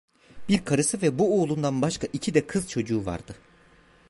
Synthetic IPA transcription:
biɾkʰaɾɯsɯvɛbuoːlˠund̪anbaʃkʰaʔicʰid̪ɛkʰɯzt͡ʃʰo̞d͡ʒuːva̰ɾd̪̥ɯ

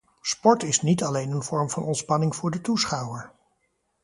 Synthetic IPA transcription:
spɔɹtɪsnitɑlejnənvɔɹmvɑnɔntspɑnɪŋvʊːɹdətusχɑwəɹ

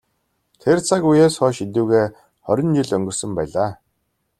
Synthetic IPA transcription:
t̪ʰert͡sʰakujeːsχɔːʃit̪uːɣeː | χɔɾʲɪ̆nt͡ɕiɮœŋɡɵ̆rsə̆mpæːɮaː

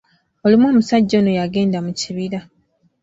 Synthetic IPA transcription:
o̞limwo̞ːmusaɟːo̞nojaɡe̞ːndamuciβiɾa

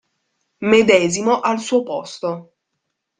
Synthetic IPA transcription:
med̪ɛːzimoʔalsuːopɔst̪o

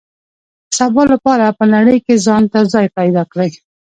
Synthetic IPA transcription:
sabɑlapɑɾapənaɽəjkezɑnt̪azɑjpajd̪ɑkɽəj

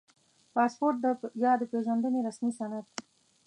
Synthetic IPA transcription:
pɑspoɾʈ̚d̪əjɑd̪əpeʒand̪əneɾasmisanat̪̚

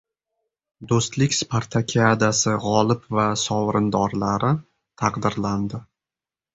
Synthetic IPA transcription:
d̪ost̪lɪkʲspʰaɾt̪ʰakʲʰad̪asɪʁɒlˠɪpvasɒwɾɪnd̪ɒɾlaɾɪ | t̪ʰɑqd̪ɪɾland̪ɪ

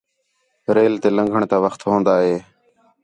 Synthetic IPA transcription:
ɾeːlt̪eːlə̃ŋɡʱəɳt̪aːʋəxt̪ɦõːnd̪aːɦeː

